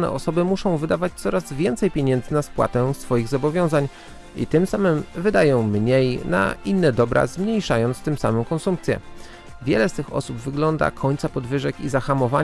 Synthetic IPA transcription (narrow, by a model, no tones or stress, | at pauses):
nɛ̰ʔɔsɔbɘmuʂɔ̃w̃vɘd̪avat͡ɕt̪sɔɾazvʲjɛnt̪sɛjpʲjeɲɛnd̪zɘnaspwa̰t̪ɛsfɔjiɣzɔbɔvʲjɔ̃w̃zaɲ | ḭt̪ɘmsamɘmvɘd̪ajɔ̃w̃mɲejna̰inːɛd̪ɔbɾa̰zmɲejʂajɔnt̪st̪ɘmsamɛmkɔnsump̚t̪sʲjɛ̰ | vʲjɛ̰lɛst̪ɘxɔ̰subvɘɡlɔnd̪a̰kʰɔɲʲt̪sapɔd̪vɘʐɛkizaxamɔva